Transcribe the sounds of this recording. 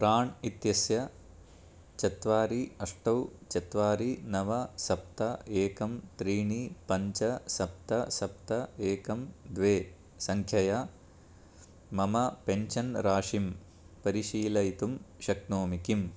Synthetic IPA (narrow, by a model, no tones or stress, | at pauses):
pɾaːɳit̪jɐsjɐ | t͡ʃɐt̪ʋaːɾiɐʂʈɐwt͡ʃɐt̪ʋaːɾinɐʋɐsɐpt̪ɐeːkɐmt̪ɾiːɳipɐɲt͡ʃɐsɐp̚t̪ɐsɐp̚t̪ɐeːkɐmd̪ʋeː | sɐŋkʰjɐja | mɐmɐpeɲt͡ʃɐnɾaːʂim | pɐɾiʃiːlɐjit̪umʃɐknoːmikim